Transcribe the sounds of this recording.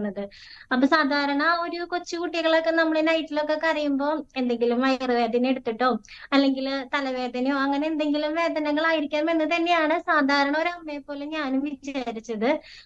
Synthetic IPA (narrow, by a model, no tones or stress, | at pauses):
nːɐðɨ | ɐpːoːsaːd̪ʱaːɾɐɳaoɾukot͡ɕːukuʈːiɣɐɭokːe̞nɐmːuɭenɐjtːilo̞kːe̞kɐrijumbo̞ːe̞nd̪e̞ŋɡilumʋɐjrɨʋe̞ːd̪ʱɐneɽut̪ːiʈːo̞ːɐlːe̞ŋɡilt̪ɐlɐʋe̞ːd̪ʱɐnjoːɐŋːɐneːnd̪e̞ŋɡilumʋe̞ːd̪ɐnɐŋːɐɭaːjiɾikʲːaːɐme̞nːɨt̪ɐnːe̞jaːɳɨsaːd̪ʱaːɾɐɳɐo̞ɾɐmːejpːo̞ːleɲaːnumʋit͡ɕːaːɾit͡ɕːɐðɨ